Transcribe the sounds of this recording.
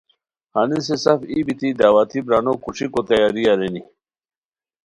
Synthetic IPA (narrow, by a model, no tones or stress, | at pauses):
hanis̬esɐfibit̪id̪awat̪ʰibɾanokuʂikot̪ɐjaɾiaɾeni